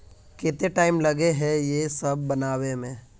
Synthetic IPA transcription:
ket̪eʈaːɪmlɐɡeɦɛ̃jesɐb̚ːɐnaːwemẽː

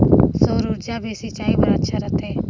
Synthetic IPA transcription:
soːɾuːɾd͡ʒaːbesit͡ʃaːibəɾaətːʃʰaɾət̪ʰeː

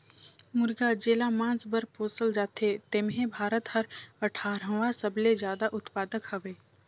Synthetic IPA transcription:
mʊɾɡad͡ʒeːlamãːsbəɾpoːsəld͡ʒaːt̪ʰet̪emɦẽbʱaːɾət̪hɐɾɐʈʰaːɾɦə̃ʋãsəbled͡ʒjaːd̪aʔʊt̪paːd̪əkhəʋeː

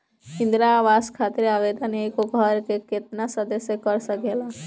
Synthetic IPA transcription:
ɪ̃nd̪ɾaʋaskʰat̪ɾeaʋed̪ənekoɡʱɔɾkeket̪nasəd̪əsjekəɾsəkela

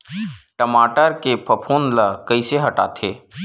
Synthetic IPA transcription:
ʈəmaːʈəɾkepʰəpʰoːnlakɐiseɦɐʈa̰ːt̪ʰeː

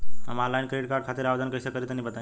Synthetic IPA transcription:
ə̰malainkəɾiʈkakʰat̪iɾaʋd̪ənkəjsəkəɾit̪nĩbət̪ã

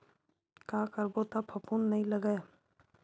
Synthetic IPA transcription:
kaːkəɾbot̪ɐpʰəpunːɐɦĩləɡəe

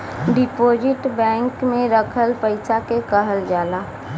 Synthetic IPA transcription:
ɖɪpoːd͡ʒɪʈbɛ̃ːŋkmẽɾəkʰəlpəɪsakekəɦəld͡ʒaːlaː

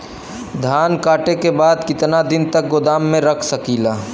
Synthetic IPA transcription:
d̪ʱaːnkaːʈekebaːd̪kɪt̪nad̪ɪnt̪ɐk̚ɡʊd̪aːmːẽɾɐkʰsɐkiːlaː

